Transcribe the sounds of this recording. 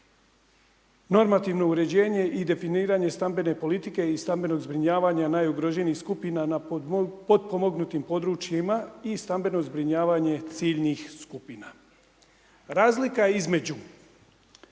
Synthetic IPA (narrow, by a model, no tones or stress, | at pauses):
no̞ɾmat̪iʋno̞uɾe̞d͡ʑe̞ːɲe̞ʔid̪e̞finiːɾaɲe̞st̪ambe̞ne̞po̞lit̪ike̞ist̪ambe̞no̞ɡzbɾiɲaːʋaɲanaːjuɡɾoʒeniːskupinanapo̞d̪̚po̞mo̞ɡnut̪impo̞d̪ɾut͡ʃjimaist̪ambe̞no̞zbɾiɲaːʋaɲe̞t̪siːʎnixskupina | ɾaːzlikaeizme̞d͡ʑu